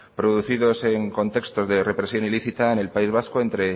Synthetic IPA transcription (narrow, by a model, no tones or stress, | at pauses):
pɾo̞ðuθiðo̞se̞ŋko̞nt̪e̞kst̪o̞zðe̞re̞pɾe̞sjo̞niliθit̪aene̞lpaizβ̞askoe̞nt̪ɾe̞